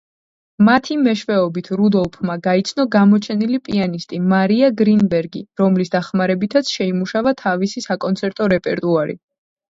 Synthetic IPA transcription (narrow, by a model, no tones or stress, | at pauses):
mat̪ʰimɛʃvɛɔbit̪ʰɾud̪ɔlˠpʰmaɡait̪sʰnɔɡamɔt͡ʃʰɛnilipʼianist̪ʼimaɾiaɡɾinbɛɾɡiɾɔmlisd̪aχmaɾɛbit̪ʰat̪sʰʃɛimuʃavat̪ʰavisisakʼɔnt̪sʰɛɾt̪ʼɔɾɛpʼɛɾt̪ʼuaɾḭ